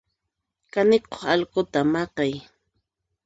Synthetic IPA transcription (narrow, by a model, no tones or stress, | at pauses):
kanɪqo̥χɑlɢʊt̪amɑqɑj